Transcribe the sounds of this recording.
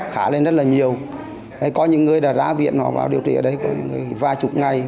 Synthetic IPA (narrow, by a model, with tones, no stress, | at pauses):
xaː˧˩le˧nzə˦˥t̚laː˨˩ɲi˨˩əw | ta˨˧˩jkɔ˨˦ɲɨ̰˧˥ŋːɨ˨˩əjɗaː˧˩za̰ː˧˥vḭ˧˨ənːɔ˧˩va̰ː˨˩wɗi˨˩ət̪ʰḭ˧˨əː˧˩ɗə˨˦jkɔ˨˦ɲɨ̰˧˥ŋːɨ˨˩əjvaː˧t͡ɕʊ˨˩k͡p̚ŋa˨˩j